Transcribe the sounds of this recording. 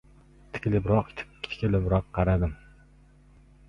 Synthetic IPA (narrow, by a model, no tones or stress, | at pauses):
t̪ʰɪ̥kʲlɪbɾɑqʲt̪ʰɪ̥kʲilɪbɾɑqʰːɑɾad̪ɪm